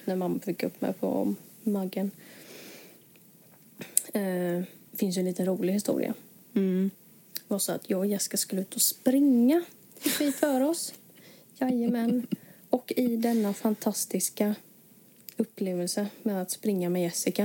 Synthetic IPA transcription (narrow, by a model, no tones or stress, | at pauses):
næɾmamːfɪkːɵ̰pːmɛ̰pʰɔ̰ːaɡːən | fɪns̬jɛniːt̪ənɾuːlɪhɪst̪ṵːɾɪ̰ʔa̰ | vasɔa̰t̪ʰjɑːjɛsɪ̥kaskɵləʉ̟ːt̪ɔspɾɪŋːa | fɪkːvɪfœːɾɔs | jajəmɛnː | ɔkːɪd̪ɛnːafant̪ʰast̪ɪska | ɵpːleːvəlsəmɛd̪at̪spɾɪŋːamɛjɛsːɪka